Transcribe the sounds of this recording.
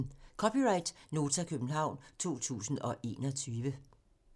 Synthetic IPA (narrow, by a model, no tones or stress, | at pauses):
kʰɒ̽piʁɑ̈ɪd̥no̝ːt͡sʰækʰøb̥n̩ɦɑ̈ʊ̰nt͡sʰo̝̰ːt͡sʰṵːsn̩ɒ̽ʔe̝̰ːnɒ̽t͡sʰyːʋə